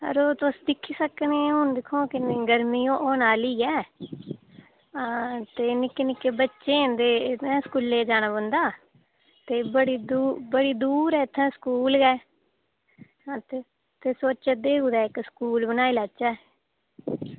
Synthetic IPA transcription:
ə̰ɾoːt̪ʊsd̪ɪkʰːiːsəkneːɦʊnd̪ɪkʰːõːkɪnːɡəɾmiːõːʔoːnaːliːɛː | t̪eːnɪkːenɪkːeːbətːʃeːnd̪eːɛ̃ːskuːlːeːd͡ʒaːnaːbə̃nd̪aː | t̪eːbəɽiːd̪uːbəɽiːd̪uːɾɛːɪt̪ʰːɛ̃ːskuːlɡɛː | t̪e | t̪eːsoːt͡ʃəd̪eːuːd̪ɛːɪkskuːlbənaːiːlat͡ʃɛː

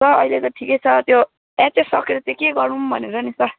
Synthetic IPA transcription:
sʌʌilet̪ʌʈʰikejt͡sʰʌt̪jo | ɛt͡sesʌkeɾʌt̪ekeɡʌɾumbʱʌneɾʌnisʌ

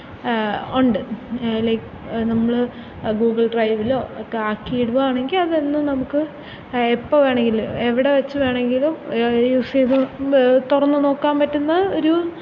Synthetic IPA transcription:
uɳɖɨlɐjk | nɐmːɐɭɨ | ɡuːɡɐɭɖrɐjʋilo̞ːɐkːeaːkːiːɖʋaːɳe̞ŋɡilɐðenːumnɐmukːɨ | epːoːʋe̞ːɳeŋɡilueʋiɽe̞ʋɐt͡ɕːɨʋe̞ːɳe̞ŋɡilumjuseðut̪urɐnːɨno̞ːkːaːmpɐtːunːɐo̞ɾu

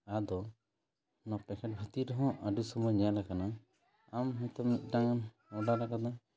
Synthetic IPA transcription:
ad̪ɔ | nɔpɛkʰɛʈ̚bʱət̪iɾɔɦɔ̃ʔaɖusɔmɔjɲɛalakana | amɦɛ̃t̪ɔmit̪̚ˀɖaŋ | ɔɖalakad̪a

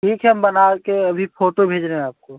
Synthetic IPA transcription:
ʈʰiːkʰɦɛɦəmbənaekeəbʱipʰoːʈobʱeːd͡ʒɾeɦɛ̃aːp̚ko

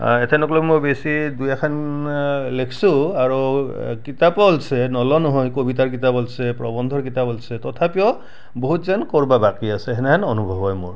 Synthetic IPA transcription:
ɛtʰɛnɔklɔmojbesidujakʰan | lekʰsuaɹukitapɔlsɛnɔlɔnɔɦɔjkobit̬aɹk̬itapɔlsɛpɹɔbɔnd̪ʱɔɹkitapɔlsɛtɔtʰapijɔ | boɦutzankɔɹbabakiasɛɦɛnɛanɔnubʱɔbɔjmʊ̰ɹ

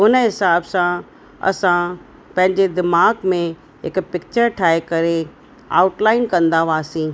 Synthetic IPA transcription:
ʊnəɦɪsaːbsã | ɐ̰sã | pɐ̃ɦɪ̃ɲd͡ʑed̪ɪmaːɡmẽ | ɦɪkpɪkt͡ɕəɾʈʰaːekɐɾe | a̰ːʊʈlaːɪnkɐ̃nd̪aʋaːsĩː

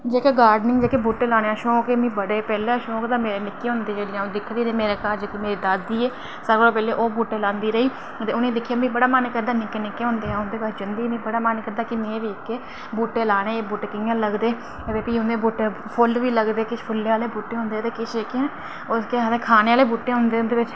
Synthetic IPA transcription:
d͡ʒeːkeːɡaːɾɖnɪ̃ŋɡd͡ʒeːkeːbuːʈːeːlaːɽ̃eːãːʃõːkemĩːbəɽeːpɛːleːʃõːkd̪ãːmeːɾeːnɪkːeːɦʊ̃nd̪eːd͡ʒeːɽid͡ʒãːõːd̪ɪkʰd̪iːɾəiːmeːɾeːkaːɾd͡ʒeːkimeːɾiːd̪aːsd̪iːeː | səɾkloːpɛːleːʔoːbuːʈːeːlãːnd̪iːɾəiː | t̪eːʊnĩːd̪ɪkʰːijaːmĩːbəɽaːmaːnekəɾd̪aːnɪkenɪkːeːɦʊ̃nd̪eːãːʊnd̪eːkaːd͡ʒɪnd̪iːmĩːbəɽaːmaːnekəɾd̪aːkɪmẽːʋiːɪkːeː | buːʈːeːlaːɽ̃eːbʊʈekɪãːləɡd̪eː | eʋeːpiʊnẽːbuːʈepʰʊlʋiːləɡd̪eːkɪpʰʊlːeːaːleːbuːʈːeːɦʊ̃nd̪eːt̪eːkɪt͡ʃʰeːkeẽː | oskeãːt̪eːkʰaːneːaːleːbuːʈːeːɦʊ̃nd̪eːʊ̃nd̪eːʋɪt͡ʃ

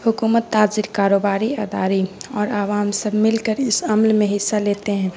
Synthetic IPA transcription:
hʊkuːmət̪ːaːzɪɾkaːɾoːbaːɾiɐd̪aːɾiɔːɾaːʋaːmsəbʱmɪlkəɾɪsɐmlmẽɦɪsːaleːt̪eɦɛ̃ː

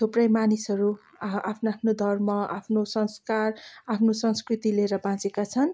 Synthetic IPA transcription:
t̪ʰuprʌjmanisʌɾu | apʰnapʰnod̪ʱʌrmʌa̰pʰnosʌnskarapʰnosʌnskrit̪ileɾʌbãt͡sekat͡sʰʌn

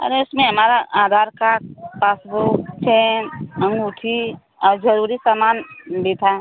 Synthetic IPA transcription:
ə̰ɾeʊsmẽɦɐmaːɾaʔaːd̪ʱaːɾkapaːsbot͡ʃʰenə̃ŋɡʊʈʰi | ɔːɾd͡ʒəɾuːɾisamaːnbʱit̪ʰa

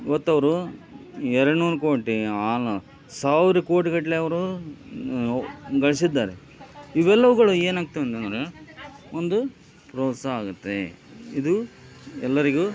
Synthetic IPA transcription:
iʋɐt̪ːɐʋɐɾu | ɛɾɐɽnuːɾkoːʈiaːlɐ | saːʋiɾɐko̞ːʈiɡɐʈleɐʋɐɾu | ɡɐɭisid̪ːaːɾe | iʋɛlːɐʋuɡɐɭue̞ːnaːɡ̚t̪uʋɐnt̪enɾe | ond̪u | pɾoːsɐaːɡut̪ːḛ | id̪u | ɛlːɐɾiɡu

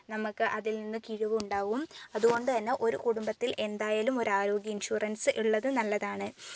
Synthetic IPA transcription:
nɐmukːɨʔɐðilninːɨkiɻuʋuuɳɖaːʋumɐðuɣo̞ɳɖɨt̪ɐnːe̞ʔo̞ɾukuɽumbɐt̪ːilʔe̞nd̪aːjaːlumo̞ɾaːɾo̞ːɡjɐinɕuːrɐnsɨʔiɭːɐðɨnɐlːɐðaːɳɨ

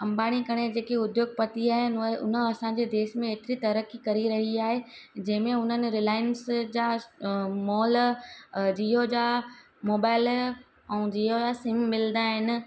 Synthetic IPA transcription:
kɐ̃mbaːɽ̃ikɐɽ̃ed͡ʑeːkeʊd̪joːɡ̚pɐt̪iaːɦɪnʊ̰nəɐsãɲd͡ʑed̪eːʃmẽeːt̪ɪɾit̪ɐɾəkikɐɾiɾɐɦiaːɦed͡ʑɐ̃ɦɪ̃mẽʊn̤ənɪ̆ɾɪlaːɪənsd͡ʑaː | mɔːl | d͡ʑiɦod͡ʑaː | moːbaːɪl | ɛ̃ːd͡ʑiod͡ʑasɪmːɪld̪aɦɪnɪ̆

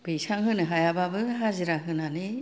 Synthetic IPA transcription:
b̥ijsaŋɦɯnɯɦajababɯɦaziɾaɦɯnani

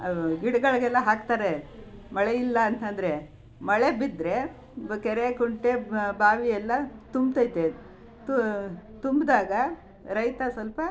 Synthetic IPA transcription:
ɡiɽɡɐɭɡɛlːɐɦaːk̚t̪aːɾemɐɭeilːɐːnt̪ɐnd̪ɐɾe | mɐɭebid̪ɾe̞ | kɛɾekuɳʈebaːʋiɛlːɐt̪umbt̪ɐjt̪e | t̪t̪umbd̪aːɡɐ | ɾɐjt̪ɐsʋɐlpɐ

